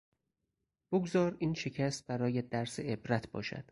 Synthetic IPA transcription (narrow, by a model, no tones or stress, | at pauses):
b̥oɡzɒːɾiːnʃe̞cʰæst̪̚bæɾɒːjæd̪æɾseebɾæt̪ʰbɒ̰ːʃæ̰d̪̥